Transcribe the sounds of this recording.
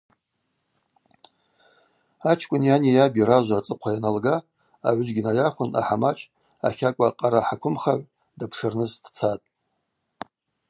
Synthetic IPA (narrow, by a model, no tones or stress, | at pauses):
at͡ʃʰkʷʼʊnjanijabʲiɾaʒʷat͡sʼɨqʷʰajanalɡa | aʕʷd͡ʒɡʲɪnajaχʷʊnʔa̰ħamat͡ʃʰʼ | a̰χʲakʷʼaqʼaɾaħakʷʰʊmχaʕʷ | dapʰʂɨrnɨsd̥t͡sʰatʼ